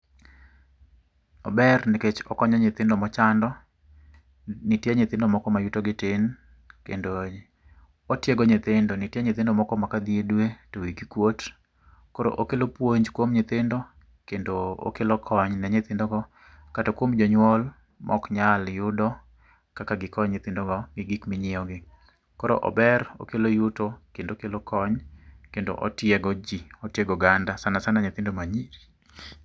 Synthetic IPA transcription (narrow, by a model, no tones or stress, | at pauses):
ɔ̰bɛrniket͡ʃɔkɔɲɔɲɪt̪ɪndɔmɔt͡ʃandɔ | nitjeɲɪt̪ɪndɔmɔkɔmajutoɡɪtɪn | kḛndo | otjeɡɔɲɪt̪ɪndonɪtjeɲɪt̪ɪndɔmɔkɔmakad̪iedwetowikikwot | koɾo̰ʔokelopwoɲd͡ʒkwomɲɪt̪ɪndɔ | kendoo̰kelɔkʰɔɲnɛɲet̪ɪndɔɡɔ | katokwomd͡ʒɔɲwɔl | mʔɔ̰kɲaljʊdɔ | kakaɡɪkɔɲɲɪt̪ɪndɔɡɔmɪɡikmɪɲɪɔɡɪ | kɔɾo̰ʔɔ̰bɛɾo̰kelojutokendokelokʰɔɲkendo̰ʔo̰tjɛɡɔd͡ʒiotjeɡɔɡandasanasanaɲet̪ɪndomaɲiɾi